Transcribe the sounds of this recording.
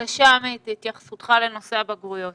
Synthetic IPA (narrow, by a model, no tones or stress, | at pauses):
kaʃameit̪it̪jaχḁsut̪χale̞no̞seabaɡʁujo̞t̪̚